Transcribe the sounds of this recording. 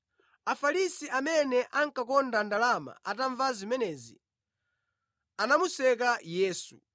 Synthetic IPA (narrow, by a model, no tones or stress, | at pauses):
afalisiʔamɛnɛʔaŋkakɔndandalama̰ʔataɱvazimɛnɛːzḭ | anamusɛk̬ajɛːsṵ